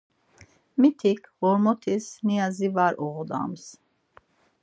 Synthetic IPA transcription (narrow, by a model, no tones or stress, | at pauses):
mit̪ʰikʰhɔɾmɔt̪ʰisniazivaɾɔʁɔd̪a̰ms